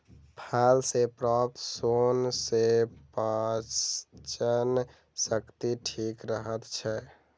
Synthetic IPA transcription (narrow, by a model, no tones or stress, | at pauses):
pʰalsepɾɔp̚t̪sonsepa | t͡ʃən | səkt̪iʈʰikɾəɦət̪t͡ʃʰɛ